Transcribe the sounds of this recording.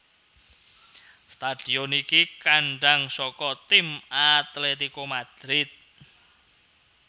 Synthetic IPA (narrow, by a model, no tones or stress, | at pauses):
st̪ad̪̥iɔnikikaɳɖaŋsɔkɔt̪ɪmat̪let̪ikomad̪̥ɾɪt̪̚